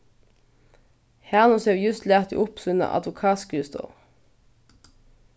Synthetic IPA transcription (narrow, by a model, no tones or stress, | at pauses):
hæːʁnʊsheːʋjʉst̪læːʁt̪ḭʔʊpsʉnə̰ʔɑ̰d̪ʋʊkʰɑːskʉːst̪o̰ː